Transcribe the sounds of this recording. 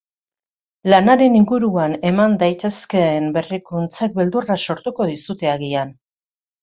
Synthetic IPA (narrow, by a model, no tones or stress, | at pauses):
lanaɾe̞niŋɡuɾuane̞mand̪ajt̪e̞ske̞ːmbe̞rikunt͡sak̚be̞ld̪uraso̞ɾt̪uko̞ðisut̪e̞aɣian